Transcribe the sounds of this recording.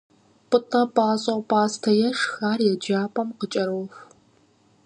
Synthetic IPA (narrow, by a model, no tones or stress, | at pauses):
pʼɨtʼɐpʼaːɕʼɐpʼaːstʰɐjɛʂxaːrjɛd͡ʒaːpʼɐmqət͡ʃʼɐɾox